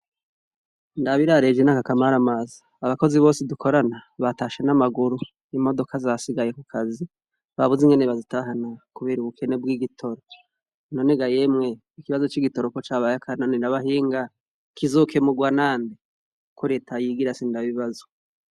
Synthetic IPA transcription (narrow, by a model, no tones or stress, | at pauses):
ndaβiɾaɾe̞d͡ʒenakakamaɾamaziːβako̞ziβo̞ːseduko̞ɾanaβataʃe̞namaɡuɾu | imo̞do̞kazasiɡaje̞kukʰazi | βaβuziŋɡeneβazitaɦanakuβeɾuβukʰe̞ne̞bɡiːɡitʰo̞ɾo | noneɡaje̞mŋe̞ | ikiβazo̞t͡ʃiɡito̞ɾoko̞t͡ʃaβajakʰananindaβaɦiːŋɡa | kizoke̞muɡwanaːnde | kʰoɾe̞ːtʰajiɡiɾasindaβiβazo̥